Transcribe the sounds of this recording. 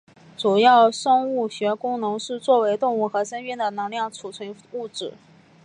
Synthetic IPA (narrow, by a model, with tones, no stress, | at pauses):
ʈ͡ʂu˨˩jɑ˥˩ʊʂɤ˥ŋu˥˩ɕɥɛ˧˥kʊ˥ŋnɤ˧˥ŋʂɻ̩˥˧t͡swɔ˥˩we˧˥ɪt̪ʊ˥˧ŋu˥˩xɤ˧˥ʂə˥ni˥˩nd̪ə˨nɤ˧˥ŋljɑ˥˩ŋt͡sʰu˨˩t͡sʰwə˧˥n | u˥˩ʈ͡ʂɻ̩˨˩˦